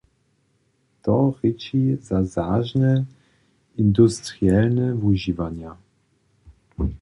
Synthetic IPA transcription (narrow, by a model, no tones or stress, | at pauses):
t̪ɔʁɘt͡ɕizazaʒnɛ | ind̪ust̪ɾjalnɛvuʑivaɲa